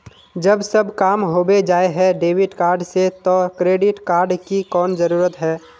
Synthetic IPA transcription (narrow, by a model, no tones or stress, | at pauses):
d͡ʒəbsəbkaːmɦoːbed͡ʒaːeɦɛɖeːwɪʈkaːɾɖset̪okɾeːɖɪʈkaːɾɖkikɔːnzəɾuːɾət̪ɦɛː